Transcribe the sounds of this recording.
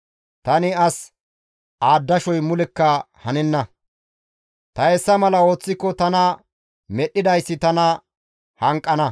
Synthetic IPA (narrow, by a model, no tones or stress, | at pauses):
t̪ɐnɪɐs | aːd̪ːɐʃɔjmʊlɪkːɐ | hɐnɪnːɐ | t̪ɐhɛsːɐmɐlɐo̞ːt͡sːɪkːɔt̪ɐnɐ | mɛɗːɪd̪ɐjsːɪt̪ɐnɐ | hɐŋkʼːɐnɐ